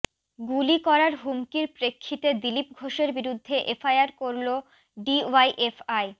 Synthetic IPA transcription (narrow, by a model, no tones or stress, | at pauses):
ɡulikɔɾaɾɦumkiɾpɾekʰːit̪ed̪ilipɡʱoʃeɾbiɾud̪ʱːeʔefajaɾkoɾlo | ɖiwajʔefaj